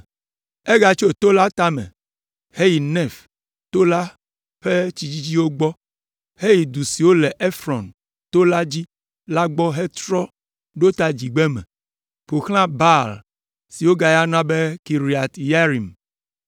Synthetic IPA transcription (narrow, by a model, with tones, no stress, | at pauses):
e˦ɡa˨t͡ʃo˦t̪o˦la˦t̪a˦mɛ̰̃˨ | he˦ji˨nɛ˦˨f | t̪o˦la˦ | ɸe˦t͡ɕi˨d͡ʑi˦d͡ʑi˦wo˦ɡ͡bɔ˦ | he˦ji˨d̪u˨si˨wo˦lɛ˨ʔe˦fɾɔ˨n | t̪o˦la˦d͡ʑi˦ | la˦ɡ͡bɔ˦ɦe˦t̪ɾɔ˦ | ɖo˦t̪a˦d͡ʑi˨ɡ͡be˦mɛ̰̃˨ | ɸo˨xl̃ã˦ba˦l | si˨wo˦ɡa˦ja˦nã˦be˦ki˨ɾi˨a˨t̪ja˦ɾi˨m